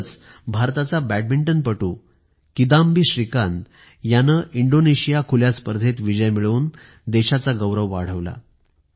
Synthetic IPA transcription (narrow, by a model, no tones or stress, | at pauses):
t͡s | bʱaɾt̪at͡sabæʈ̚biɳʈənpəʈuː | kid̪ambiːɕɾikan | janəːʔiɳɖoneɕijakʰuljaspəɾd̪ʱet̪ʋid͡ʑəjmiɭuːn | d̪eɕat͡saɡəʋɾəʋːa̰ɽ̤əʋla̰